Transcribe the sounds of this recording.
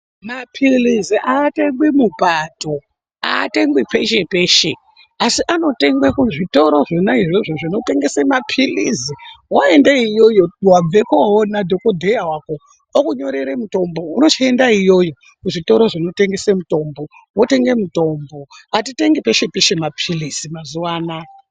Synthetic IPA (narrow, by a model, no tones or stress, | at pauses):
mapʰiliziʔaːte̞ŋɡwimupato̞ | a̰ːteŋɡwipeʃe̞peːʃe | asiʔano̞te̞ŋɡwekuʐito̞ɾo̞ʐenaiʐoʐoʐino̞te̞ŋɡe̞semapʰiliziwaendeijo̞jo̞wab͡ve̞koɦonadʱokodʱejawaːko̞ | okuɲo̞ɾeɾemuto̞mbo̞uno̞t͡ʃie̞ndaijo̞jo̞ | kuʐito̞ɾo̞ʐino̞te̞ŋɡe̞semuto̞mbo̞ | wote̞ŋɡe̞muto̞mbo̞at̬ite̞ŋɡepe̞ʃe̞peʃemapʰilizimazuwaːna